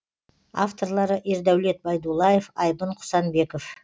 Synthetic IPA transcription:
a̰ft̪o̞ɾlˠɑɾəʔeɾd̪æwle̞t̪̚bɑjd̪ulˠɑjefɑjbəɴqʰʊ̥sɑnbe̞kof

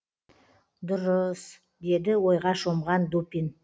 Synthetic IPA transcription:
d̪ʊɾəs | d̪e̞d̪ɪwo̞jʁɑʃomʁɑnd̪opʲin

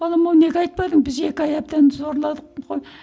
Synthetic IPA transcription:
ɑlˠɑmɑwne̞kʲɑjt̪̚pɑd̪əɴbɪze̞kʲɪɑjɑp̚t̪ɑnzo̞ɾlˠɑd̪əqʰoj

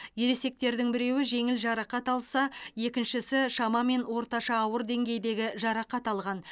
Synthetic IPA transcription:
je̞ɾe̞se̞k̚t̪e̞ɾd̪ɪŋbɪɾe̞wɪʒe̞ŋɪlʒɑɾɑqɑt̪ɑlˠsɑje̞kʲɪnʃɪsɪʃɑmɑme̞nwo̞ɾt̪ɑʃɑːwəɾd̪e̞ŋɡʲe̞jd̪e̞ɡʲɪʒɑɾɑqɑt̪ɑlˠʁɑn

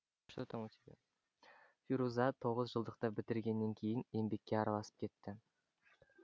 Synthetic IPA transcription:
ʃət̪ʰoŋt̪ | fiɾuzɑt̪ʰo̞ʁəzʒəlˠd̪əq̚t̪ɑbɪt̪ɪɾɡʲe̞nːe̞ŋkʲʰe̞jɪne̞mbe̞kʲːeɑɾɑlˠɑsə̥p̚kʲʰe̞t̪ːɪ

